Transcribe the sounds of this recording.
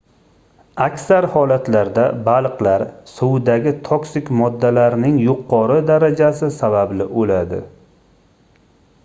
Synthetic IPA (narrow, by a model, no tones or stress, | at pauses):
akʲsaɾhɒlat̪laɾd̪abalˠqlaɾsʊwd̪aɡʲɪt̪ʰoksɪkʲmɒd̪ːalaɾnɪŋjʊqʰːɒɾɨd̪aɾad͡ʒasɪsabablɪʔolad̪ɪ̰